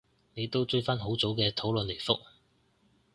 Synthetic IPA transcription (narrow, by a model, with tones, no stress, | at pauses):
ne˨˧jt̪o˥wt͡sɵ˥˧ɥfɐ˥nɦo˨˥wt͡so˨˥wkɛː˧t̪ʰo˨˥wlɵ˨˧nle˨˩jfʊ˥k̚